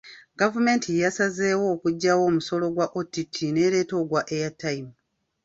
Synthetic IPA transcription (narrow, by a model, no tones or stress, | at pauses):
ɡavume̞ːntʰijasaze̞ːwo̞ːkuɟːawo̞ːmuso̞lo̞ɡwaʔotitʰine̞ɾe̞ːto̞ɡwaʔejatːaim